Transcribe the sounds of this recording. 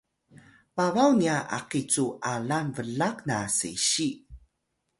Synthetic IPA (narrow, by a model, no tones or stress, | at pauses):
pavawniaʔa̰qit͡suʔalanvəɮaknasḛɕi